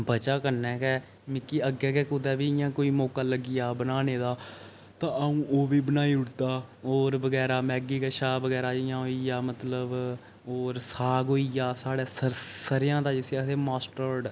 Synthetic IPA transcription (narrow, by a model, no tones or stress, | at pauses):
bət͡ʃaːkəɾnɛ̃ːkɛː | mɪkːiːəɡːɛːkɛːkʊd̪ɛːbiːɪjãːkoːiːmɔːkaːləɡɪjaːbənaːneːd̪aː | t̪ãːəũːʔoːbiːbənaːiːʊɽt̪aːoːɾbəɡɛːɾaːmɛːɡiːkaːʃaːbəɡɛːɾaːd͡ʒɪjãːɦoːijaːmət̪ləb | oːɾsaːɡoːijaːsaːɽeːsəɾsəɾɪjãːd̪aːd͡ʒɪsːseːmaːsʈəɖ